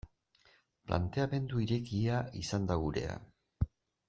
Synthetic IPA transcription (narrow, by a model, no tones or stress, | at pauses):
plʔa̰nt̪e̞ame̞nd̪uiɾe̞kiaisand̪aɣuɾe̞̰a̰